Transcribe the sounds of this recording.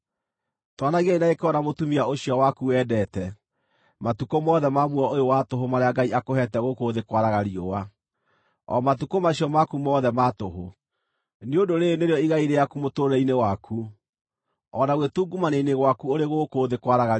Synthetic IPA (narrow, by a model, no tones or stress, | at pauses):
twanaɣainaekeɔnamotumiaoɕijɔwakuwɛːdɛtɛ | matukomɔðɛmamwɔʔojowatoɦomaɾeaɡaiakohɛtɛɣokoðekwaɾaɣaɾiowa | ɔ̰matukomaɕijɔmakumɔːðɛmatoɦo | neodoɾeneɾeɔiɣaiɾejakumotoːɾɛinewakʰu | ɔnaɣwetuːɡumaneineɣwakuoɾeɣokoːðekwaɾaɣa